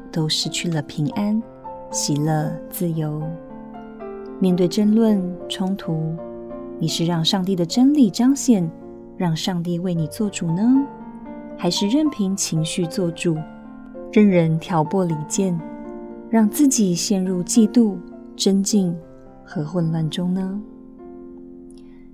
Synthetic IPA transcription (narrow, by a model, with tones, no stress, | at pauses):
t̪o˥ʊʂɻ̩˥˧t͡ɕʰy˥˩lə˩pʰi˧˥ŋa˦˥n | ɕi˨˩lə˥˧t͡sɹ̩˥˩jo˧˦ʊ | mjɛ˥˧nt̪we˥˩ɪʈ͡ʂə˥nlwə˥˨nʈ͡ʂʰʊ˥ŋt̪ʰu˧˥˦ | ni˨˩ʂɻ̩˥˧ɻɑ˥˧ŋʂɑ˥˧ŋt̪i˥˩d̪ə˩ʈ͡ʂə˥nli˨˩ʈ͡ʂɑ˥ŋɕjɛ˥˩n | ɻɑ˥˧ŋʂɑ˥˧ŋt̪̬i˥˧˨we˥˩ɪni˨˩t͡swɔ˥˩ʈ͡ʂu˨˩nə˦ | xa˧˥ɪʂɻ̩˥˧ɻə˥˩npʰi˧˥ŋt͡ɕʰi˧˥ŋɕy˥˧t͡swɔ˥˩ʈ͡ʂu˨˩ | ɻə˥˩nɻə˧˥nt̪ʰjɑ˧˥ʊpwɔ˥˩li˨˩t͡ɕjɛ˥˨n | ɻɑ˥˧ŋt͡sɹ̩˥˩t͡ɕi˨˩ɕjɛ˥˧nɻu˥˧t͡ɕi˥˧t̪u˥˩ | ʈ͡ʂə˦nt͡ɕi˥˩ŋ | xɤ˧˦xwə˥˧nlwa˥˩nʈ͡ʂʊ˥ŋnə˧